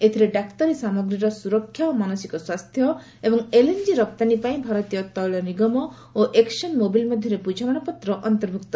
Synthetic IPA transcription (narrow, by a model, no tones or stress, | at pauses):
et̪ʰiɾeɖakt̪ɔɾisamɔɡɾiɾɔsuɾɔkʰːjaomanɔsikɔswast̪ʰjɔ | ebɔŋelend͡ʒiɾɔp̚t̪anipaĩbʱaɾɔt̪ijɔt̪ɔɭɔniɡɔmɔ | oʔeksɔnmobilmɔd̪ʱjɔɾepud͡ʒʱamanɔpɔt̪ːɾɔʔɔnt̪ɔɾbʱukt̪ɔ